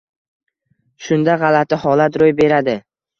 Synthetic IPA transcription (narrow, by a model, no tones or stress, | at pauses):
ʃʊnd̪aʁɑlat̪ʰɪhɒlat̪ɾojbe̞ɾad̪ɪ